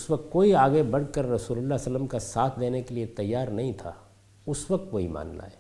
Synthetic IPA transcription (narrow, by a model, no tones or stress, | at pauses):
ʊsʋɐk̚t̪̚koːiaːɡebɐɽkɐɾːɐsuːləlːasələmkasaːt̪ʰd̪eːnekeliet̪ɐjːaːɾnɐɦĩt̪ʰa̰ː | ʊsʋɐk̚t̪ʋoima̰ːnla̰ːeː